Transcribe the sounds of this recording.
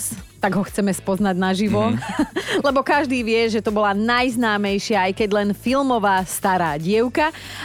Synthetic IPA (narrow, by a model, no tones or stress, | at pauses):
st̪aɡɦɔxt͡sɛmɛspɔznaɟnaʒiʋɔ | lɛbɔkaʒd̪iːʋɪɛʒɛt̪ɔbɔlanajznaːmɛjʃɪaːjkɛɟlɛnfilmɔʋaːst̪aɾaːɟɪɛʊka